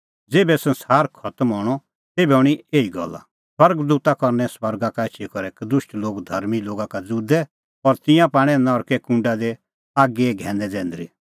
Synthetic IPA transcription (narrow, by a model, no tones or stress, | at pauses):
d͡zeːbɛsɐ̃nsaːɾkʰɐt̪əmɦɔːɽ̃ɔ | t̪eːbɛuɽ̃ieːiɡɔ̰lːa̰ | swɐɾɡd̪uːt̪akɔɾnɛswɐɾɡakaɪt͡ʃʰikɔɾɛkd̪ʊʃʈloːɡd̪ʱɐɾmiloːɡakad͡zud̪ɛ | ɔɾt̪ɪ̃jãpaːɽ̃ɛ̃nɔɾkɛkũɳɖad̪e | aːɡeɡʱɛ̃ːnd̪ɛd͡zɛ̃ːnd̪ɾi